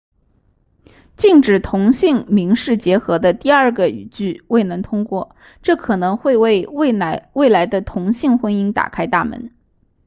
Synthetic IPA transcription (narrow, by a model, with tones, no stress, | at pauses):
t͡ɕi˥˩ŋʈ͡ʂɻ̩˨˩t̪ʰʊ˧˥ŋɕi˥˩ŋmi˧˥ŋʂɻ̩˥˩t͡ɕjɛ˧˥xɤ˧˥d̪ə˧t̪i˥˧ɐ˞˥˩ɡə˩y̰˨˩t͡ɕy˥˩we˥˩ɪnɤ˧˥ŋt̪ʰʊ˥ŋkwɔ˥˩ | ʈ͡ʂɤ˥˩kʰɤ˨˩nɤ˧˥ŋxwe˥˧ɪwe˥˧ɪ˥˩we˥˩ɪla˧˥ɪd̪ə˧t̪ʰʊ˧˥ŋɕi˥˩ŋxwə˥ni˥ŋt̪a̰˨˩kʰa˥ɪt̪a̰˥˩mə̰˧˥n